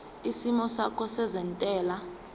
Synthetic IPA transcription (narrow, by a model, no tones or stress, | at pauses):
isimɔsakʰɔsɛzɛntʼɛːla